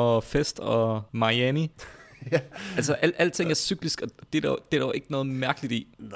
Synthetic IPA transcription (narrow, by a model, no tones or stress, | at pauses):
ɒfesd̥ɒmɑ̈iæni | ælsəʔæl̰æl̰d̥̚t͡sʰe̝ŋæɐsyɡ̥lisɡ̥ɒ̽d̥e̝d̥ɐd̥e̝ɾɐoʔe̝ɡ̥ənɔ̽ːð̩ˠmæɐɡ̥əlid̥i